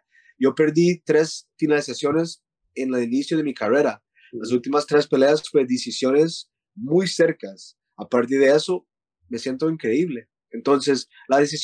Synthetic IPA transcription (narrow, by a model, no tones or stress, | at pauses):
ɟ͡ʝo̞pe̞ɾðit̪ɾe̞sfinalisasjo̞ne̞s | enalinisjoð̞e̞mikare̞ɾa | las̬ult̪imast̪ɾe̞spe̞leasfwe̞ðisisjo̞ne̞s | mujse̞ɾkas | apaɾt̪̬eɾðeeso̞ | me̞sje̞nt̪o̞iŋkɾe̞iβle̞ːnt̪o̞nse̞s | laðisis